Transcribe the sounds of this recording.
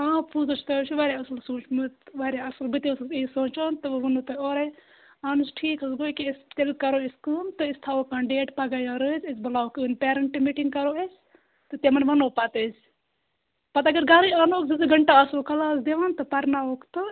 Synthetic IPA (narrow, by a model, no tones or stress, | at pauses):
aːpʰuzɐt͡ʃʰt̪ɐt͡ʃʰuʋaːɾʲaɐslsuːt͡ʃmɨʋaːɾʲaɐslbɨt̪issisoːt͡ʃaːnt̪ɨʋʋɐnot̪ɐoːɾɐj | aːnusʈʰiːkɨsɡoːjkist̪elkɐɾoːiskɨːnt̪ɨɪst̪ʰaːoːkaːnɖeːʈpɐɡaːjaːɾɨzʲɐsbɐlaːwkɨːnpeːɾɐɳʈimiʈiŋkɐɾoesʲ | t̪ɨt̪emɐnʋɐnoːpat̪ezʲ | pɐt̪ɐɡɐɾɡaːɾɨanoːkzɐzɨɡɐɳʈaɐsoːkɐlaːs̬d̪eʋaːnt̪ɨpɐɾnaːokt̪o